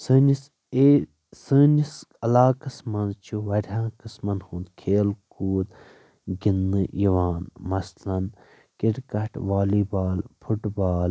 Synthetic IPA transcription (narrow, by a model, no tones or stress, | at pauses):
sɨːnis | e | səːnisɐlaːkɐsmɐnt͡ʃʰuʋɐɾʲãːkəsmɐnhũːnd̪kʰeːlkuːd̪ | ɡinːɨjiʋaːnmɐslɐn | kiʈkɐʈʰʋaːliːbaːlpʰuʈbaːl